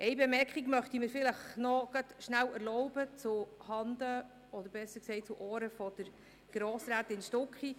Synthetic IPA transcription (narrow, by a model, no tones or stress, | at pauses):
ʔɛɪbɛmɛɾkχiɡmœχt̪iməɾfɪləχnɔɡ̥ɑtʃnæwæɾlɔʊbət͡sʊhɑnd̪ə | ɔd̪əɾbɛsːəksɛɪt͡suʔoːɾəfɔd̪̥əɾ | ɡ̥ɾoːsɾæːt̪ɪnʃtɔkχi